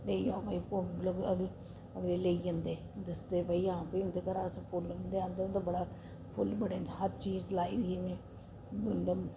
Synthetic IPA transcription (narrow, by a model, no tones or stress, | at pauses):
leːiaːbəiːpoləɡəɡl | əɡleːleiə̃nd̪eːd̪əsd̪eːpəiːãːpiːʊ̃nd̪eːkəɾaːsəpʊlnd̪eːãːnd̪eːʊ̃nd̪ebəɽaː | pʰʊlbəɽẽnhəɾt͡ʃiːzlaːiːd̪iemẽː | ɡɪlɖəm